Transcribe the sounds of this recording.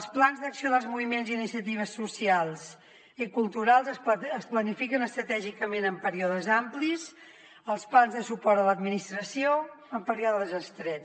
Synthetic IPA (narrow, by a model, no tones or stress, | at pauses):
əlˠsplanzðəksioðəlˠzmuβimenziːnisiət̪̬iβ̞əsːusialˠs | ikulˠt̪uɾalˠzəsəsplənifikənəst̪ɾət̪ɛʒikəmenəmpəɾiɔðəzamplis | əlˠsplanzðəsupɔɾt̪ələd̪minist̪ɾəsioəmpəɾiɔðəəzəst̪ɾɛ